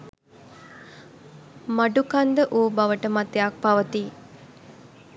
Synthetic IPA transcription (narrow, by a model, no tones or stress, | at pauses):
maɖukand̪əʔoːbaʋəʈəmat̪ejak̚paʋət̪i